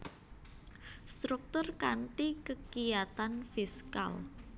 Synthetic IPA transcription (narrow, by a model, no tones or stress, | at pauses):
st̪ɾuk̚t̪ʊrkaɳʈikəkijat̪anfiska̰l